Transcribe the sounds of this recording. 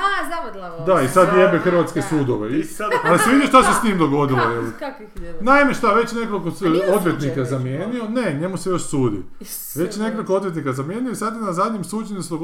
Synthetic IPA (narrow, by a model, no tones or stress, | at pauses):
d̪aisad̪ʋjebexr̩ʋat̪skesuːd̪oʋealisiʋid̪iʃt̪asest̪iːmd̪o̞ɡo̞d̪ilˠojel | najmeʃt̪aʋe̞t͡ɕne̞kolkood̪ʋjet̪nikazamjeːnio̞ne̞ɲe̞musejo̞ʃsuːd̪ḭ | ʋe̞t͡ɕne̞ko̞lˠikoo̞d̪jet̪nikazamje̞ːnioisad̪jenazad̪ɲemsuːd͡ʑeɲisd̪oɡ